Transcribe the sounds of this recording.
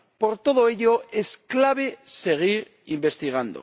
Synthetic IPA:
po̞ɾt̪o̞ð̞oeʎo̞esklaβ̞e̞se̞ɣ̞iɾ | imbe̞st̪iɣ̞and̪o̰

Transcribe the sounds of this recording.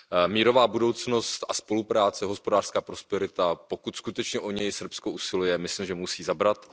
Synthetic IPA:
miːɾo̞vaːbudo̞wt͡sno̞sst̪ʔaspo̞lupɾaːt͡sɛɦo̞spo̞daːr̥skaːpɾo̞spɛɾɪt̪apo̞kut̪skut̪ɛt͡ʃɲɛʔoɲɛjsr̩psko̞ʔusɪlujɛmɪslimʒɛmusiːzabɾat̪

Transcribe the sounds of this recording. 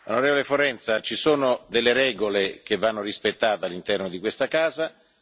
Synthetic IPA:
onoɾeːvolefoɾɛnt̪sat͡ʃisoːnod̪elːeɾɛːɡolek̟evːanːoɾispet̪ːaːt̪ealːint̪ɛrnod̪ikwest̪akaːza

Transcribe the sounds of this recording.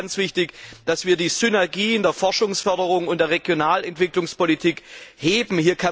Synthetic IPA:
nt͡sv̥ɪçtɪçd̥asv̥iːɐdiːz̥ʏnɛɐɡiːndeːɐfɔɐʃʊŋsfœɐdəʁ̞ʊŋʊntd̥eːɐʁeɡjonaːlɛntv̥ɪklʊŋspolitʰiːkheːbm̩hiːɐkʰa

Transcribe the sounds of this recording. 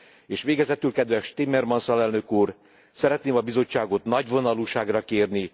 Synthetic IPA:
eːʃʋeːɡɛzɛt̪ylkɛd̪ʋɛʃt̪imɛrmɒnsɒlɛlnøkuːr | sɛɾɛt̪neːmɒbizo̞t͡ʃːaːɡo̞t̪nɒɟvo̞nɒluːʃaːɡrɒkeːrni

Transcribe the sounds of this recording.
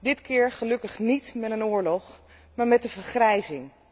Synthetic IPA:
dɪtkɪːɹχəlɵkəχnitmɛtənʊːɹlɔχ | maːɹmɛt̚dəvəɹχrɛjzɪŋ

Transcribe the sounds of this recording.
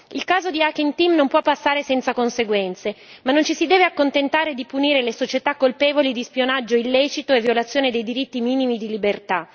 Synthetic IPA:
ilkaːzod̪iakint̪imnompwɔpːasːaːɾesɛnt̪sakonseɡwɛnt̪semanːont͡ʃisid̪ɛːveakːont̪ent̪aːɾed̪ipuniːɾelesot͡ʃet̪akːolpɛːvolid̪ispjonad͡ʒːoilːɛːt͡ʃit̪oevːjolat̪sːjoːned̪ejd̪iɾit̪ːimiːnimid̪ilibert̪a

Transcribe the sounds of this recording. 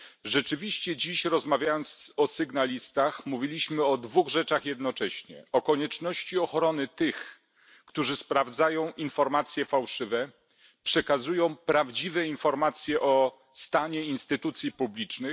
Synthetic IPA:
ʐɛt͡ʂɘvʲiɕt͡ɕɛd͡ʑiɕɾɔzmavʲjajɔnt̪sɔsɘɡnalʲist̪axmuvʲilʲiɕmɘɔd̪vuɣʐɛt͡ʂaxjɛd̪nɔt͡ʂɛɕɲɛ̰ɔkɔɲɛt͡ʂnɔɕt͡ɕiɔxɾɔnɘt̪ɘx | kt̪uʐɘspɾavd̪zajɔ̃w̃ʔinfɔɾmat̪sʲjɛfawʂɘvɛ | pʂɛkazujɔ̃w̃pɾavd͡ʑivɛinfɔɾmat̪sʲjɛʔɔ | st̪aɲɛinst̪ɘt̪ut̪sʲjipublʲit͡ʂnɘx

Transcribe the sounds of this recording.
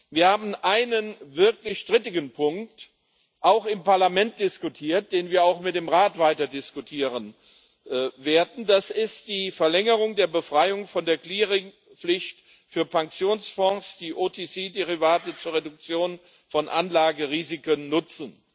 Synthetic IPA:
viːɐhaːbm̩ʔaɪnənvɪɐklɪçʃtʁ̥ɪtɪɡən̩pʰʊŋk̚t | ʔaʊxɪmpaɐlamɛnt̚d̥ɪskutʰiːɐt̚d̥eːnviːɐaʊxmɪtd̥eːmʁaːtv̥aɪtɐdɪskutʰiːʁən | veːɐdn̩dasɪstd̥iːfɛɐlɛŋəʁʊŋdeːɐbəfʁ̥aɪʊŋfɔndeːɐkliːʁɪŋ | flɪçt | fyːɐpaŋksjoːnsfɔ̃sd̥iːʔoːtʰet͡seːdeʁivaːtət͡suːɐʁedʊk̚t͡sjoːn | fɔnʔa̰nlaːɡəʁiːzɪkənːʊt͡sn̩

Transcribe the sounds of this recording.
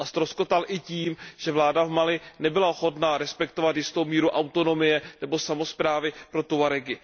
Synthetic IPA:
ʔast̪ɾosko̞t̪alʔɪciːmʒ̥ɛvlaːdavmalɪnɛbɪlaoxo̞t̪naɾɛspɛkt̪o̞vat̪jɪst̪o̞wmiːɾuʔawt̪o̞no̞mɪjɛnɛbo̞samo̞spɾaːvɪpɾo̞t̪uvaɾɛɡɪ

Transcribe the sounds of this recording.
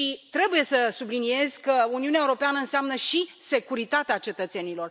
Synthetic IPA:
ʃit̪ɾe̞buje̞səsublinie̞z̥ʲkəuniuneaewuɾo̞peanəɨnseamnəʃise̞kuɾit̪at̪eat͡ʃe̞t̪ət̪se̞nilo̞r

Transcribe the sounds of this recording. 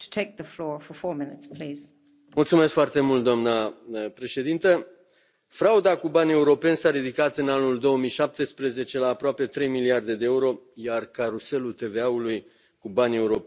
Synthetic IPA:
tʰə̥tʰeɪk̚ðəflɔɹfə˞fɔɹmɪ̃nɨtspʰl̥iz̥ | mult̪sume̞skfoart̪e̞mult̪d̪oamnəpɾe̞ʃe̞d̪int̪ə | fɾaud̪akubanʲie̞uɾo̞pe̞nsaɾid̪ikat̪ɨnanuld̪o̞omijʃap̚t̪e̞spɾe̞ze̞t͡ʃe̞laːpɾoape̞t̪ɾe̞jmiliard̪e̞d̪ee̞uɾo̞jarkaɾuse̞lult̪e̞ve̞auluj | kubanʲe̞uɾo̞pe

